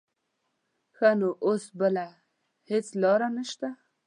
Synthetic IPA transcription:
xanoʔosbəla | het͡slɑɾanəʃt̪a

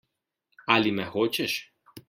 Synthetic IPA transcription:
alimɛxot͡ʃɛʃ

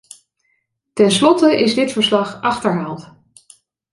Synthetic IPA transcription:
tɛnslɔtəʔɪzdɪtfəɹslɑχʔɑχtəɹɦaːlˠt

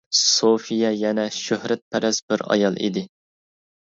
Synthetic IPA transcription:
sofijɛjɛnɛʃøhɾɛt̪̚pʰɛɾɛz̥bɪɾɑ̰jɑlˠḭd̪ɪ

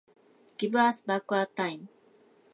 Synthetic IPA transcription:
ɡ̥ibasbakat̪ãjm

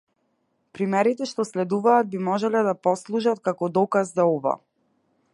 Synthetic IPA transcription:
pɾimɛɾit̪ɛʃt̪ɔslɛd̪uvaːd̪̚bimɔʒɛlɛd̪apɔslˠuʒat̪̚kakɔd̪ɔkazːaɔva̰

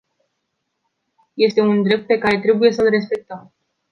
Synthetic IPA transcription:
je̞st̪e̞und̪ɾe̞p̚t̪̚pe̞kaɾe̞t̪ɾe̞buje̞səlre̞spe̞k̚t̪əm

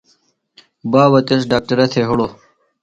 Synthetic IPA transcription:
baːwɐt̪es̬ɖaːk̚ʈɐɾɐt̪ʰeːɦuɽoː

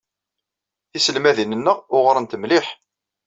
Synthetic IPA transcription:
isəlmæðinənːəʁʊʁɾˤənt̪əmlɪħ

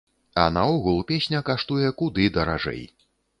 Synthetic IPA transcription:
ɐ̰naɔɣulˠupʲesʲnʲɐkaʂt̪ujɛkud̪ɨd̪ɐɾa̰ʐɛ̰j

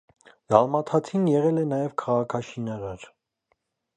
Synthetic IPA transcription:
z̥ɑlmɑt̪ʰɑt̪ʰinjɛʁɛlɛnɑjɛvkʰɑʁɑkʰɑʃinɑɾɑɾ

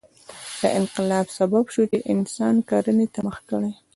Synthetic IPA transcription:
d̪̥ə̰ʔɪnqɪlɑbsababʃut͡ʃeʔɪnsɑnkɑɾənet̪aməxkəɽaj

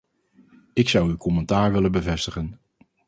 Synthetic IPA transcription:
ɪksʌwykɔmɛntaːɹʋɪlənbəvɛstəχən

